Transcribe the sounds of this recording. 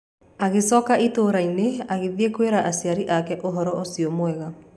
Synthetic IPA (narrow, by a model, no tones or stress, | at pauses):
aɣesɔkaʔitoɾaineaɣeðiekweɾaʔasiaɾiʔakɛʔoɦɔɾɔosiɔmwɛɣa